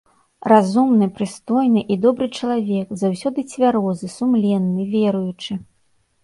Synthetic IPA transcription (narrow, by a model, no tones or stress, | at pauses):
razumnɨpɾɨst̪ɔjnɨʔid̪ɔbɾɨt͡ʂɐlˠavʲɛkzawsʲɔd̪ɨt͡sʲvʲaɾɔzɨsumlʲɛnːɨvʲɛɾujut͡ʂɨ